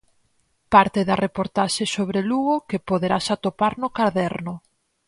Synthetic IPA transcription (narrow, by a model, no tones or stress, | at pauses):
paɾt̪ɪðarepoɾt̪aʃesoβɾeluɣʊkepoðeɾasat̪opaɾnʊkaɾðɛɾnʊ